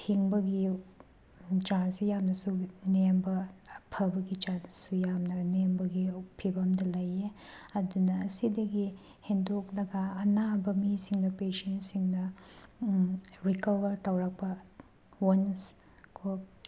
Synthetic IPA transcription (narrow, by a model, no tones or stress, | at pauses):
hʰiŋbɐɡi | t͡ʃansijamnɐsunembɐpʰɐbɐɡit͡ʃansujamnɐnembɐɡipʰibɐmdɐlɐjeɐdunɐːsidɐɡi | hendok̚lɐɡɐːnabɐmisiŋdɐpesensiŋdɐ | ɾikɐβɐɾtawɾɐk̚pɐ | wɐns | kʰo